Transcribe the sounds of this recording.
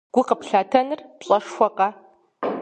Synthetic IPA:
ɡʷʊqəpɬaːtʰɐnɨrpɕʼɐʂxʷɔqʼɐ

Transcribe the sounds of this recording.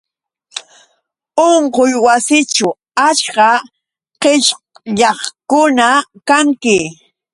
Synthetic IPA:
oɴqojwasɪt͡ʃʊ | aʃkɑ | qeʃ | ʎɑχkʊnakaŋkɪ

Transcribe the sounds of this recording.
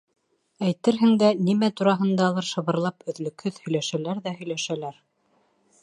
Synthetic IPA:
æjt̪ɘɾɦɘ̆ŋd̪ænimæt̪uɾɑɦɤ̆nd̪ɑlˠɤɾʃɤ̆βɤ̆ɾlˠɑpɵ̆ðlɵ̆khɵðhɵ̆jlæʃælæɾðæɦɵ̆jlæʃælæɾ

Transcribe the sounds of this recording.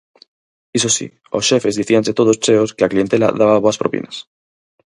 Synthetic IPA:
isosḭ | osʃe̞fe̞zðiθianse̞t̪o̞ðo̞st͡ʃe̞o̞skeaklie̞nt̪e̞la̰ðaβaβoaspɾopḭnas

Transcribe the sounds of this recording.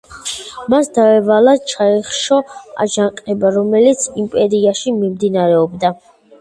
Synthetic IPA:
masd̪avɛvalat͡ʃʰaiχʃɔa̰ʒaŋqʼɛbaɾɔmɛlit̪sʰimpʼɛɾiaʃimimd̪inaɾɛɔbd̪a

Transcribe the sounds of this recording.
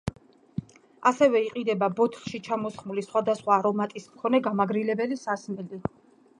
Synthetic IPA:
asɛvɛiqʼid̪ɛbabɔt̪ʰlʃit͡ʃʰamɔsχmulisχwad̪asχwaːɾɔmat̪ʼismkʰɔnɛɡamaɡɾilɛbɛlisasmɛli

